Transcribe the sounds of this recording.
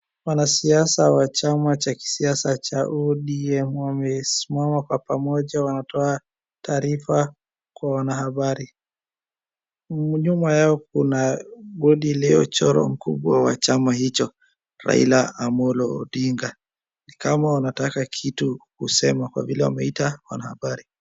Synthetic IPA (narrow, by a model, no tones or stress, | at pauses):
wanasiasawat͡ʃamat͡ʃaki̥siasat͡ʃaʔuɗiɛmwamɛsimamakwapamɔʄawanatɔa | tʰaːɾifa | kwawanahaɓaɾi | ɲumajaɔk̚unaɡɔɗilɛɔt͡ʃɔɾɔ̰m̩kṵɓwawa̰t͡ʃamahit͡ʃɔ | ɾa̰ḭlaːmɔlɔ̰ːɗiŋɡa | nikamawanatakakʰitukusɛmakwa̰vilɛwa̰mɛitawa̰nahaɓaɾi